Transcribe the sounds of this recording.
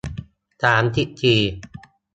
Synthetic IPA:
t̪aː˩˦mt̪ʰi˦˥ʔt͡ɕ̪ʰiː˧

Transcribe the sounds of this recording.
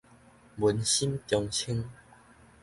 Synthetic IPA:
mu˨˦nɕi˦mt̪jɔ˧ŋt͡ɕʰi˦ŋ

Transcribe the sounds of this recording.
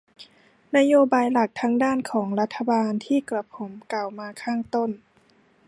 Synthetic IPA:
na˦˥joː˧baː˧jla˨˩k̚t̪ʰaː˧˥ŋdaː˥˩nkʰɔː˩˦ŋla˦˥t̪ʰːa˧baː˧nt̪ʰiː˥˩kla˧˩pʰo˩˦mka˨˩wmaː˧kʰaː˥˩ŋt̪o˥˩˨n

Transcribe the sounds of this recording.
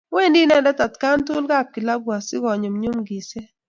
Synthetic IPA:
we˦˨ndi˦nɛ˦˨ndɛ˦ta˨tka˦ntʊ˦lɡa˦˨p̚ki˨la˦ɡwa˨sɪ˦ɡɔ˨ɲo˨mɲu˦mɡi˨se˦

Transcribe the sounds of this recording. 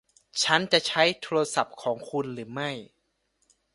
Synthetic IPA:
t͡ɕʰa˦˥nt͡ɕa˨˩ʔt͡ɕʰa˦˥jt̪ʰoː˧ɾa˧sa˨˩p̚kʰɔː˩˦ŋkʰu˧nɾɯː˩˦ma˥˩j

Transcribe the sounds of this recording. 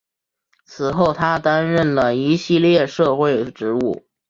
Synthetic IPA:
t͡sʰɹ̩˨˩xo˥˩ʊt̪ʰa˥t̪a˥nɻə˥˩nlə˩i˧˥ɕi˥˧ljɛ˥˧ʂɤ˥˧xwe˥˩ɪʈ͡ʂɻ̩˧˥u˥˩

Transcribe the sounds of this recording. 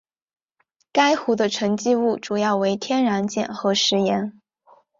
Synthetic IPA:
ka˥ɪxu˧˥d̪ə˧ʈ͡ʂʰɤ˧˥ŋt͡ɕi˥˧u˥˩ʈ͡ʂu˨˩jɑ˥˩ʊwe˧˥ɪt̪ʰjɛ˥nɻa˧˥nt͡ɕjɛ̰˥˨˩nxɤ˧˥ʂɻ̩˧˥jɛ˧˥n

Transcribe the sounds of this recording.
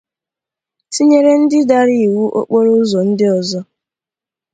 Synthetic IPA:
si˦ɲe˦ɾe˦n̩˦dɪ˦da˦ɾi˦˨wu˦ʔo̰˦k͡po˦ɾo˦ʊ˦zɔ˨n̩˦dɪ˦ɔ˨zɔ˦

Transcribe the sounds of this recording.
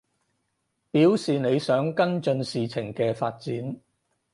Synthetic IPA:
piː˨˥wsiː˨ne˨˧jsœː˨˥ŋkɐ˥nt͡ʃɵ˧nsiː˨t͡sʰɪ˨˩ŋkɛː˧faː˧t̚t͡siː˨˥n

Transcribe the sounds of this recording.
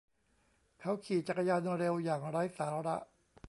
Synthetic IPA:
t̪ʰɛ˦˥wkʰiː˨˩t͡ɕa˨˩ka˧jaː˧nɾe˧wjaː˨˩ŋɾa˦˥jsaː˨˩˦ɾa̰˦˥ʔ

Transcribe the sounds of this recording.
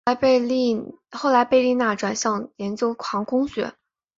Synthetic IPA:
pe˥˧ɪli˥˧ | xo˥˩ʊla˧˥ɪpe˥˧ɪli˥˧na˥˩ʈ͡ʂwa˨˩nɕjɑ˥˩ŋjɛ˧˥nt͡ɕjo˧˥ʊkʰwɑ˧˥ŋkʊ˥ŋɕɥɛ̰˧˥

